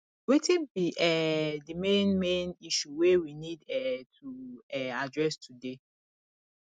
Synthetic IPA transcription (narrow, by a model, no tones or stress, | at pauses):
wetibiʔɛdimẽnmẽniʃuwewinidɛtʰuɛadɹɛstʰude